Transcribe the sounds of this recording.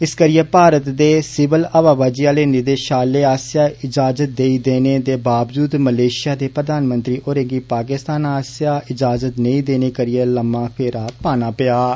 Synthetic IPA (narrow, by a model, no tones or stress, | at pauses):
ɪskəɾɪjeːpaːɾət̪d̪eːsɪʋələʋaːʋaːd͡ʒiːaːleːnɪd̪eːʃaːlːeːaːsɪjaːɪd͡ʒaːzət̪̚d̪eːiːd̪eːneːt̪eːbaːbd͡ʒuːd̪məleːʃɪjaːd̪eːpɾəd̪aːnmə̃nt̪ɾiːʔoːɾẽːɡiːpaːkɪst̪aːnaːsjaːɪd͡ʒaːzət̪nəĩːd̪eːneːkəɾɪjeːləmːãːpʰeːɾaːpaːnaːpɪjaː